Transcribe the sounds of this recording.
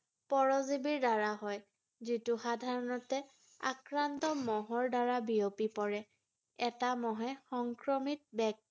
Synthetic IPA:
pɔɹɔzibiɹdaɹaɦɔj | zitʊxadʱaɹɔnɔtɛ | a̰kɹantɔmɔɦɔɹdaɹabiopipɔɹɛ | ɛtamɔɦɛxɔŋkɹɔmit̚bɛk̚

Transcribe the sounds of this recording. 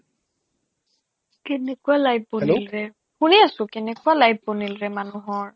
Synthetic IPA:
kɛnɛkualajbbɔnilɹɛ | hũniasʊkɛnɛkualajb̚bɔnilɹɛmanʊ̃ɦɔɹ

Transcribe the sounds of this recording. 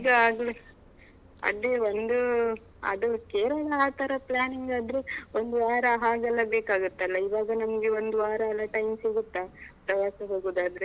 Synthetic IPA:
iɡɐaːɡli | ɐ̰lːeond̪u | ɐ̰d̪ukeːɾɐlɐaːt̪ɐɾɐplaːniŋɡaːd̪ɾeond̪uʋaːɾɐɦaːɡɐlːɐbeːkaːɡut̪ːɐlːɐiʋaːɡɐnɐmɐɡeo̞nd̪uʋaːɾɐɐlːɐʈɐjmsiɡut̪ːapɾɐʋaːsɐɦoːɡoːd̪aːd̪ɐɾe

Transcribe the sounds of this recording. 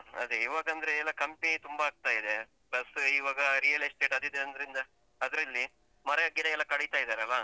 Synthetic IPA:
ɐ̰d̪eiːʋaːɡɐɐnd̪ɐɾeɛlːɐkɐmpit̪umbɐɦaːɡ̚t̪aːjid̪e̞ | plɐsiʋaːɡɐɾijɐlɐjsʈe̞ːʈɐd̪id̪eɐnd̪ɐɾind̪ɐː | d̪ɐɾɐlːi | mɐɾɐjaɡːid̪ɐɛlːɐkɐɽejt̪aːjid̪aːɾeɐlːɐ

